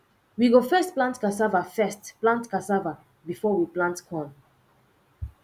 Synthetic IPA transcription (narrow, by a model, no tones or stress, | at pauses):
wiɡofɛstplãntkasavafɛstplãntkasava | bifɔwiplãntkʰɔ̃n